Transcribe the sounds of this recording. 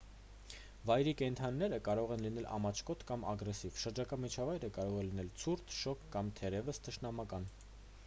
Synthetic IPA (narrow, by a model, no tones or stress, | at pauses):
vɑjɾikɛnt̪ʰɑnːɛɾəkɑɾɔʁɛnlinɛlʔɑ̰mɑt͡ʃʰkɔt̪ʰkɑmɑɡɾɛsivʃəɾd͡ʒɑkɑmit͡ʃʰɑvɑjɾəkɑɾɔʁɛlinɛlt͡sʰuɾt̪ʰʃɔkʰːɑmt̪ʰɛʁɛvəst̪ʰəʃnɑmɑkɑn